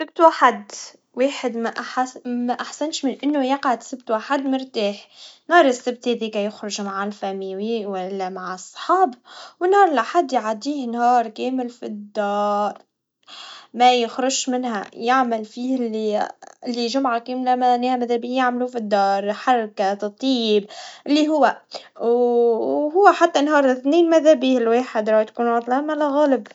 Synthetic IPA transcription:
sɪb̚t̪waħad̪ | weːħɪd̪mæʔamæʔaħsanʃmɪnʔɪnːʊjɑqʕad̪sɪb̚t̪waːħad̪mʊɾt̪aːħnhɑːɾˤɪsːɪb̚t̪hɛːðikaæjʊxɾʊʒmaʕalfæmiwiwælːæmaʕɪsˤːħɑːbwɪnhɑːɾˤɪlʔaħad̪ːjʕad̪iːhnhɑːɾˤkeːmɪlfid̪ːɑːɾˤ | majɪxɾʊʒmɪnha̰jɪʕmalfiːɪlːiɪlːiʒʊmʕakeːmlamanːeːhamaðabiːjaʕmlufid̪ːɑːɾˤħɑrˤkat̪t̪ˤiːbʔɪlːiɦʊwːaw | ɦʊwːaħat̪ːanɦɑːɾˤθneːnmaðabiːhlweːħɪd̪ɾˤɑːt̪kuːnwɑːd̪ˤlɑmalaɣæːlɪb

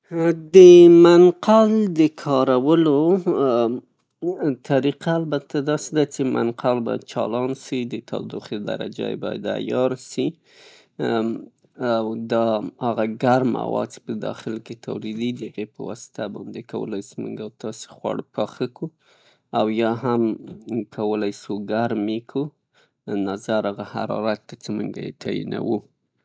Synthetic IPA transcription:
d̪əmanqald̪əkʰɑɾawəlo | t̪ʰaɾiqaːlbat̪ʰad̪ɑsed̪at͡ʃemʔa̰nqʰalbɑjad̪̚t͡ʃɑ̰lɑnsid̪ət̪ʰɑ̰d̪uxd̪əd̪a̰ɾa̰d͡ʒa̰jbɑja̰d̪a̰jɑɾsi | wd̪ɑhaɣaɡaɾma̰wɑ̰d̪̚t͡ʃe̥pəd̪ɑxɪlket̪ʰawɾid̪id̪əaɣepəwɑsɪ̥t̪abɑnd̪ekawə̰lajsumṵŋɡawt̪ɑse̥xwɑ̰ɽpʰɑxaku | awjɑɦamkʰawəlajsuɡaɾmekʰu | nazaɾaɣaha̰ɾɑ̰ɾat̪̚ːat͡semuŋɡa̰jet̪ʰɑjḭna̰wu

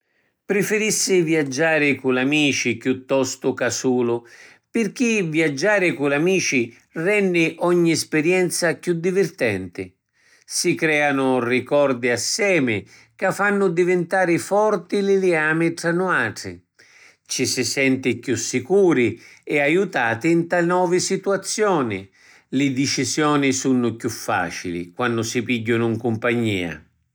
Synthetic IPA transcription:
pɾɪfɪɾisːɪvjiad͡ʒːaːɾɪkulamiːt͡ʃikjut̪ːɔst̪ʊkasuːlʊ | pɪrk̟iviad͡ʒːaːɾɪkulamiːt͡ʃi | rɛnːɪʔɔɲːiɛspɪɾjɛnt̪sakjud̪ːivɪrt̪ɛ̰nt̪ɪ̰ | sikɾɛːanʊrikɔrd̪iasːɛːmɪ | kafːanːʊd̪ivɪnt̪aːɾɪfɔrt̪ilɪlɪaːmɪʈ̪ɾanːʊaːʈ̪ɾɪ̰ | t͡ʃisɪsɛnt̪ɪkjusːikuːɾiɛajut̪aːt̪ɪnt̪anɔːvɪsit̪uat̪sːjɔːnɪ | lɪd̪ɪt͡ʃizjɔːnɪsunːʊkjufːa̰ːt͡ʃilḭkwanːʊsɪpiɟːʊnʊiŋkʊmpaɲːḭːa̰

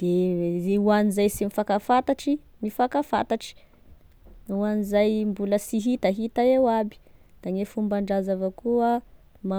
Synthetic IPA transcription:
d̪̥euanizajsimifakafat̪aʈ͡ʂi | mifakafa̰t̪aʈ͡ʂi̥ | uanizajmbuləsiɦit̪aɦit̪aewabi̥d̪̥aŋefumbaɳɖ͡ʐazavakua | ma

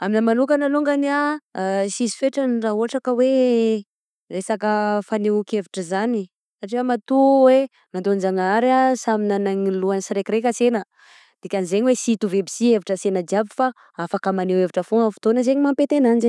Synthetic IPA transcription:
aminəmanukanaluŋɡania | sizi̥feʈ͡ʂəniraɦoaʈ͡ʂakəwe | resakəfaneukeviʈ͡ʂəzani | saʈ͡ʂifəmat̪uwe | mand̪ond͡ʒaŋaɾasaminanaŋiluansiɾekiɾekʲəsenə | d̪̥ikʲanizeɲiwesit̪uvebisieviʈ͡ʂəsenəd͡ʒiabi̥fa | afakəmaneweviʈ͡ʂəfoŋəfi̥t̪onəzeɲimampet̪enanize

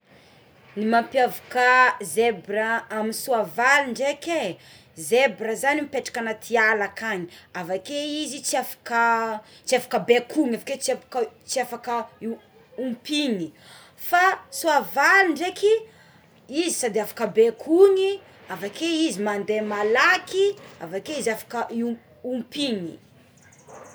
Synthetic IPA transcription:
nimampjavakəzebraaminisuavaliɳɖ͡ʐeke | zebɾəzanimipeʈ͡ʂḁkanat̪ʰialakaɲiavakeizit͡siafḁkət͡ʃiafḁkəbekʰuŋafaket͡sakt͡siafakə | umpiɲi | fasuavalɳɖ͡ʐeki | izisad̪eafḁkəbekʰuŋi | avakeizimand̪emalakia̰vakeizafḁkəʔu | umpiŋḭ

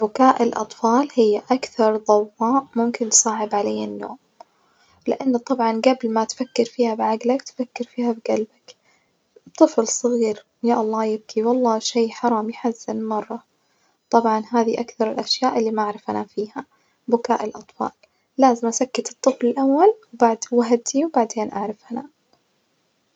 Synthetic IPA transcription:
bʊkaːʔɪlʔɑ̰t̪ˤfɑːlhɪjːaʔakθɑɾˤðˤɑwːɑːʔmʊmkɪnːsˤɑːʕɪbʕaleːanːo̰ːm | lɪʔanːt̪ˤɑbʕɑnɡablmat̪fakːɪɾfiːhabʕaɡlakt̪fakːɪɾfiːhabɪɡalbak | t̪ˤːɨflsˤɨɣiːɾ | jaʔɑlˤːɑːjɪb̚kʰiwɑlˤːɑːʃajħɑɾˤɑːmjħazːɪnmɑrˤːɑ | t̪ˤɑbʕɑnɦaːðiʔakθɑɾˤɪlʔaʃjaːʔɪlːiːmaʔaʕɾɪfhanafiːha | bʊkaːʔɪlʔɑt̪ˤfɑ̰ːlː | aːzɪmʔasakːat̪ɨt̪ˤːɨflɪlʔawːalwbaʕd̪waɦad̪iwbaʕd̪eːnʔaʕɾˤɪfhana̰

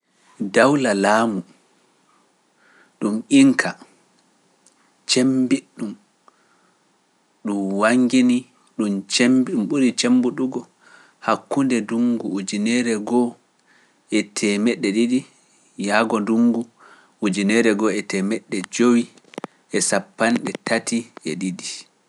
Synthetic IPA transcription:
dawlalaːmu | ɗumʔiŋkʰa | t͡ʃembiɗːum | ɗumwaŋɡini | ɗumt͡ʃɛmbiɗumɓuɾit͡ʃembuɗuɡɔ | hakːundɛduŋɡuud͡ʒinɛɾɛɡɔ | ɛtʰɛmɛɗːɛɗidi | jaɡɔduŋɡu | ud͡ʒinɛɾɛɡɔɛtɛmɛɗːɛd͡ʒowi | ɛsapːanɗɛtatʰiɛɗidi

